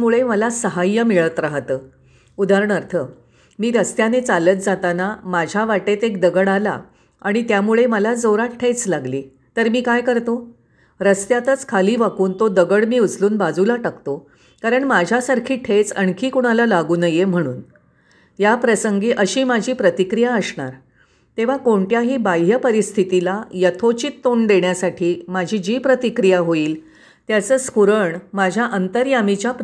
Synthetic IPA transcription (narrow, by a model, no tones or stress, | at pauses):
muɭeməlasəɦajːəmiɭət̪ɾaɦt̪əː | ud̪aɾəɳəɾt̪ʰə | miːɾəst̪janet͡salət̪̚d͡zat̪anamad͡ʑʱjaʋaʈet̪ek̚d̪əɡəɽala̰ | aɽ̃it̪jamuɭeməlad͡zəwɾaʈʈʰejt͡slaɡliː | t̪əɾmiːkajkəɾt̪o | ɾəst̪jat̪ət͡skʰaliːʋakuːnt̪od̪əɡəɽmiːut͡sluːnbad͡zulaʈəkt̪o | kaɾəɳmad͡ʑʱjasaɾkʰiːʈʰet͡səɳkʰiːkuɽ̃alalaɡuːnəjem̤əɽ̃ṵːn | japɾəsəŋɡiːʔəɕiːmad͡ʑʱiːpɾət̪ikɾijaəsɳa̰ɾ | t̪eʋ̤akoɳʈjaɦiːbajɦəpəɾist̪ʰit̪ilajət̪ʰot͡ɕit̪ːoɳɖ̪eɳjasaʈʰiːmad͡ʑʱiːd͡ʑiːpɾət̪ikɾijaɦoiːl | t̪jat͡səːskuɾəɳmad͡ʑʱjaʔənt̪əɾjamit͡ɕjap